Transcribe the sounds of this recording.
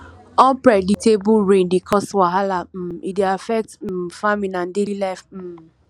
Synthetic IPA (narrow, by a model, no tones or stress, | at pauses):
ɔ̃mpɾɛditebʊɾẽndikʰɔstwaɦalam̩ideafɛk̚t̩faminandelilaɪf̩